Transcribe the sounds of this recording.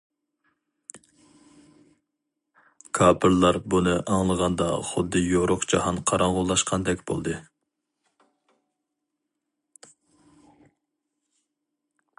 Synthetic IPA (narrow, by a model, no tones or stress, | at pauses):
kʰɑːpʰɨɾlˠɑɾbunɨʔɑŋlˠəʁɑnd̪ɑ̰χʊd̪ːɨjoɾʊqd͡ʒɑhɑnqʰɑɾɑŋʁʊlˠːɑʃqʰɑnd̪ɛkʲb̥o̰lˠd̪ɨ